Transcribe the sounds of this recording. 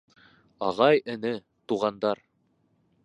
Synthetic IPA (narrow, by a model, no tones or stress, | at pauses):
ɑʁɑjɘ̆nɘ | t̪uʁɑnd̪ɑɾ